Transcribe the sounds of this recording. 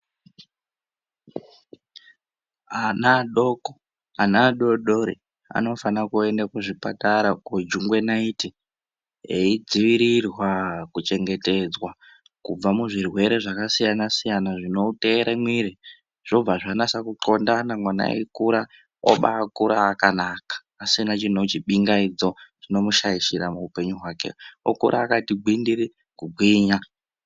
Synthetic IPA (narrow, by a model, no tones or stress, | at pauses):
anaɗoko | anaɗo̞ɗoɾḭ | a̰no̞fanakue̞ndakuʐipataɾakod͡ʒuŋɡwe̞naiti | ḛid͡ziʋiɾirwakut͡ʃe̞ŋɡe̞te̞d͡zwa | kub͡vamuʐirwe̞ɾe̞ʐakasijanasijanaʐinoute̞ːɾemwiɾi | ʐ̥o̞b͡vaʐanasakuǃo̞ndanamwana̰ḛkuɾa | o̰ɓa̰ːkuɾaːkanaːkḁːsinat͡ʃin̤o̞t͡ʃiɓiŋɡaid͡zo̞ʐino̞muʃaiʃiɾamuupe̞ɲuɦwaːkḛo̰kṵɾʔaːkatiɡ͡bwindiɾi | kuɡʱwiːɲa